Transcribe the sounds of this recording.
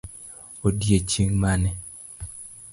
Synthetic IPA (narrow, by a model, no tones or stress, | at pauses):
odjet͡ʃiŋmanɛ